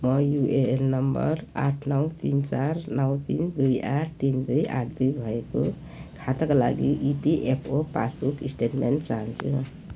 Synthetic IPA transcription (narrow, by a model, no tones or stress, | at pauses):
mʌjueelnʌmbʌ̰raʈʰnʌwt̪int͡sarnʌwt̪ind̪ujaʈʰt̪ind̪uja̰ʈʰd̪ujbʱʌeko | kʰat̪akala̰ɡiʔipiʔepʰopa̰sbukisʈeʈmenʈt͡saɦant͡sʰũ